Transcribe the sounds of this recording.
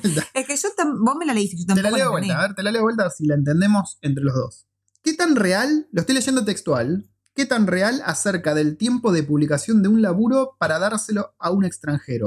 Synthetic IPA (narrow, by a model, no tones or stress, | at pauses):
t̪aekeʒot̪ambohmelaleist̪eʃot̪amt̪elaleβwelt̪aβeɾt̪elalewelt̪asilaent̪e̞nd̪e̞mo̞se̞nt̪ɾe̞lo̞ɦðo̞̰s | ke̞t̪anrealːoeht̪ojleʒe̞nd̪o̞t̪e̞kst̪wal | ke̞t̪anreala̰seɾkaðe̞lt̪je̞mpo̞ðe̞puβlikasjo̞nd̪eunlaβuɾo̞paɾaðaɾselo̞aune̞kst̪ɾaŋxe̞ɾo̞̰